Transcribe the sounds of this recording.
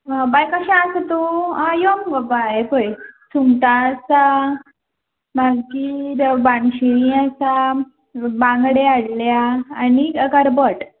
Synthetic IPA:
bajkəɕãast̪oajomɡəbapəjsuŋʈasa | baɡkiɾbanɕiɾĩasa | bãŋɡɽeaɽljaːnikəɾbəʈ

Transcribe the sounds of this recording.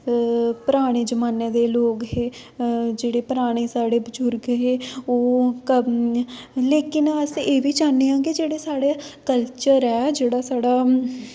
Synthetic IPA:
pəɾaːɽ̃eːd͡ʒəmaːneːd̪eːloːɡɦeː | d͡ʒeːɽeːpəɾaːɽ̃eːsaːɽeːbəd͡ʒʊɾkɦeːoːk | leːkɪnəseːʋiːt͡ʃaːneːãːɡid͡ʒeːɽeːsaːɽeːkəlt͡ʃəɾɛːd͡ʒeːɽaːsaːɽaː

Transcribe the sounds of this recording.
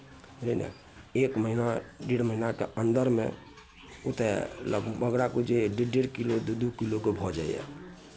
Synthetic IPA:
ɾena̰ | ekməɦinaɖeɽməɦinakḛənd̪əɾmḛ̃ | ut̪elə̰ɡməɡɾakud͡ʒeɖeɖeɽkilod̪d̪ukilokebʱɔd͡ʒa̰ḭjɛ̰

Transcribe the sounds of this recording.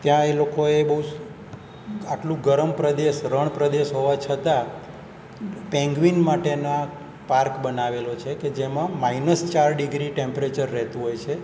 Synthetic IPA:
t̪jãelokoebəɦu | aʈlũɡəɾəmpɾəd̪eʃɾəɳ̃pɾəd̪eʃɦoʋat͡ʃʰət̪a | pɛ̃ŋɡʋinmaʈena | paɾkbənaʋelot͡ʃʰeked͡ʒemãmainəst͡ʃaɾɖiɡɾiʈẽmpɾet͡ʃəɾːɛɦt̪ũɦojt͡ʃʰe

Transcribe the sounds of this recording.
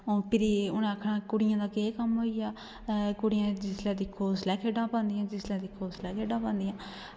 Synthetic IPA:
oːpʰɪɾiːʊnẽːəkʰːnãːkʊɽɪjãːd̪aːkeːkəmɦoːijaː | kʊɽɪjãːd͡ʒɪslɛːd̪iːkʰːoːslɛːkʰeːɖãːpãːnd̪ijãːd͡ʒɪslɛ̃ːd̪iːkʰoːslɛːkʰeːɖãːpãːnd̪ijãː

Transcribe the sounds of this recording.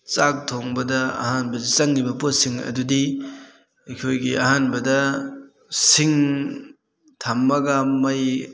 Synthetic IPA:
t͡ʃak̚tʰoŋbɐdɐɐ̰hanbɐdit͡ʃɐŋɾibɐposiŋɐ̰dudi | ɐkʰojɡiɐɦanbɐdɐ | siŋ | tʰamːɐɡɐmɐj

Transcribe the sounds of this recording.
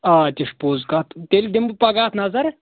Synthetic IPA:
aːt̪ʲiʂpoːzkaːt̪t̪ʲelʲd̪ʲimbɨpɐɡaːt̪nɐzɐɾ

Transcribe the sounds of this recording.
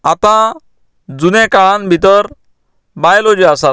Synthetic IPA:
at̪ã | d͡zunekaɭanbʱit̪̬ɔɾ | bajlod͡ʒuasa

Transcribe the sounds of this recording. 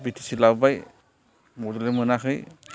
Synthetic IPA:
bitʰi̥silabbaj | mɔdɔlemɯnakɯj

